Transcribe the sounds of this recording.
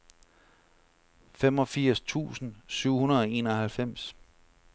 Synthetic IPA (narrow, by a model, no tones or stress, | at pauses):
fem̰ɒ̽fiɐ̰st͡sʰṵːsn̩syʊ̰hunɐð̩ˠɒ̽e̝̰ːnɐhælfem̰s